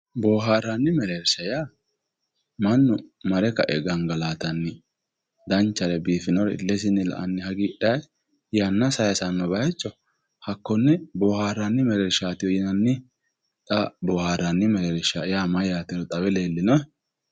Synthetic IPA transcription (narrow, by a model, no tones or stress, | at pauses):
boːɦaːɾanːɪmɛɾeːɾsɐjaː | mɐnːʊmɐɾɛkɐ̰ʔɛɡɐŋɡɐlaːt̪ɐnːɪ | d̪ɐnt͡ʃːɐɾɛbiːfɪnɔɾɛɪ̰lːɛs̬ɪnːɪlɐ̰ʔɐ̰nːɪhɐɡiːᶑɐjɛ | jɐnːɐsɐjɐsɐnːɔbɐjɐt͡ʃːɔ | hɐkːɔnːɛboːhaːɾanːɪmɛɾeɾʃaːt̪ɪjɔjɛnɐnːɪ | t̪ʼɐbɔːhaːɾɐnːɪmɛɾeɾʃajaːmɐjaːt̪ɪnɔt̪ʼɐbɛleːlːɪnɔ